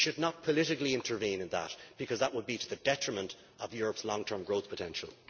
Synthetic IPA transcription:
ʃɨdⁿnət̚pʰəlɪɾɪkliɪ̃ntʰə˞vĩːnɨ̃nðə̰t̚b̥ɨkʰʌzðəʔ̚wəd̚biɾəðədɛtɹ̥əmə̃nt | əvjʊɹəpslɔ̃ŋtʰɜ̃˞mɡɹoʊθpʰətʰɛ̃nʃə̰l̩ˠ

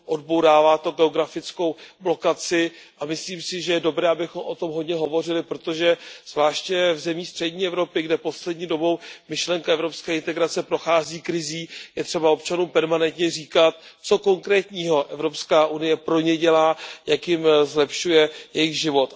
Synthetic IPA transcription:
ʔo̞dbo̞wɾaːvaːt̪o̞ɡɛo̞ɡɾafɪt͡sko̞wblo̞kat͡sɪ | ʔamɪsliːmsɪʒɛjɛdo̞bɾɛːabɪxo̞mʔo̞t̪o̞mɦo̞dɲɛɦo̞vo̞r̝ɪlɪpɾo̞t̪oʒɛz̥vlaːʃcɛvzɛmiːxst̪r̥ɛɟɲiːɛvɾo̞pɪɡdɛpo̞slɛdɲiːdo̞bo̞wmɪʃlɛŋkaɛvɾo̞pskɛːɪnt̪ɛɡɾat͡sɛpɾo̞xaːziːkɾɪziːjɛt̪r̝̥ɛbaop̚t͡ʃanuːmpɛɾmanɛnt̪ɲɛriːkat̪t͡so̞ko̞ŋkɾɛːt̪ɲiːɦo̞ʔɛvɾo̞pskaːʔunɪjɛpɾo̞ɲɛɟɛlaːjakjɪmzlɛpʃujɛjɛjɪɣʒɪvo̞t̪

